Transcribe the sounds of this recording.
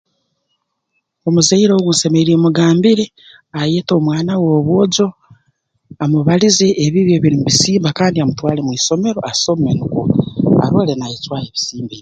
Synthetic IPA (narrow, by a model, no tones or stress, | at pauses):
o̞muzeiɾoɡunse̞meɾiemuɡaːmbiɾe | ajeto̞ːmwaːnawoːβwo̞ːɟo̞ | amuβalize̞ʔːβiβjoβiɾimuβisiːmbakaːndiamutwaːle̞mwiːso̞me̞ɾo̞asomenukṵa̰ɾolenaet͡ʃwaːjeβisiːmbi